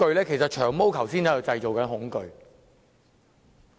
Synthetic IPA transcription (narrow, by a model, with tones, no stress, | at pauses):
ɵ˧ɥlɛː˥kʰe˨˩sɐ˨t̚t͡ʃʰœː˨˩ŋmo˥wkʰɐ˨˩wsiː˥nɛ˥˩ɐ˨˧wt͡sɐ˧jt͡ʃo˨˩wkɐ˨˥nɦʊ˨˥ŋkɵ˨˧ɥ